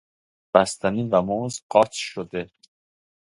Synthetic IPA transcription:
b̥æst̪ʰæniːvæmozqɒːt̪ʰʃod̪e

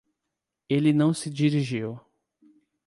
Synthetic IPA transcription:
elɪnɐ̃w̃sɪd͡ʒiɾiʒiw

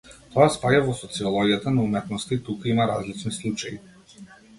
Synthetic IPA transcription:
t̪ɔaspaɟavɔsɔt̪siɔlˠɔɡʲijat̪anaumɛt̪nɔst̪ait̪ukaimaɾa̰zlit͡ʃnislˠut͡ʃajḭ

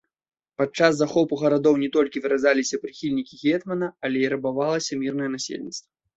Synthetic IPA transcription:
pat͡ʂasːaxɔpuɣɐɾad̪ɔwnʲɛt̪ɔlʲkʲivɨɾazalʲisʲɐpɾɨxʲilʲnʲikʲiɣʲɛt̪mɐnɐɐlʲɛiɾɐbavalˠɐsʲɐmʲirnɐjɛnasʲḛlʲnʲḭt̪st̪vɐ

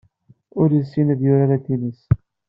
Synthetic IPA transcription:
ʊɾjəsːinəðjʊɾaɾat̪inəs

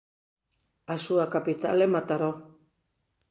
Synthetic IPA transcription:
asuakapit̪a̰lemat̪aɾo

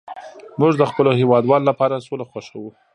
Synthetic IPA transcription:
muʐd̪əxpəlohewɑd̪wɑlolapɑɾasolaxwaʃawu

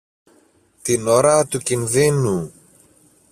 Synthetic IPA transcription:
t̪inoɾɐt̪ucinðinu

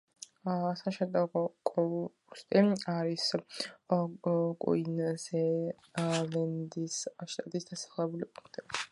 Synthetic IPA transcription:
saʃɛd̪aɡɔkʼɔ | ust̪ʼiaɾis | kʼṵinazɛ | lɛnd̪isʃt̪ʼat̪ʼisd̪asḁχlɛbulipʼũŋkʰt̪ʼi

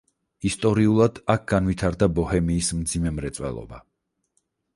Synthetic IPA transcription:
ist̪ʼɔɾiulˠad̪̥ak̚ʰɡ̥anvit̪ʰaɾd̪abɔhɛmiːsmd̪zimɛmɾɛt̪sʼwɛ̰lˠɔ̰ba

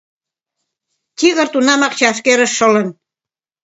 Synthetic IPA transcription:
t̪ʲiɣə̆rt̪unɑmɑkt͡ɕɑʃkeɾə̆ʃːɤ̆lə̆n

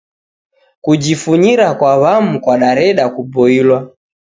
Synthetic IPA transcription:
kud͡ʒifuɲiɾakwaβamukwaɗaɾɛɗakubɔilwa

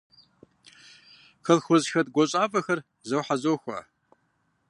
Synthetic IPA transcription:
xəlxʊzxɐdɡʷat͡ʃʷʼapʼɐxɐr | zɐwħazoːxʷa̰

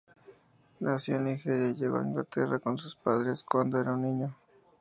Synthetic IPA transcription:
nʔasjonixeɾeʎeβa̰ŋɡa̰t̪erakonsuspaðɾeskwand̪oeɾaunːiɲo

